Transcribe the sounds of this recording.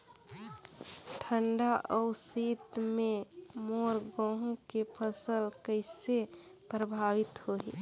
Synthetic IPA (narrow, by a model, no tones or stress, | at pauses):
ʈʰəɳɖaʔəʊsit̪mẽmoɾɡɔ̃ɦũkepʰəsəlkəɪse | pɾəbʱaʋit̪hoɦi